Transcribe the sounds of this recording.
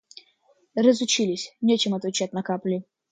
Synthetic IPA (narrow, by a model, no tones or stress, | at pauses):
ɾəzʊt͡ɕilʲɪsʲnʲet͡ɕɪmɐt̪vʲɪt͡ɕat̚ʲnɐkaplʲɪ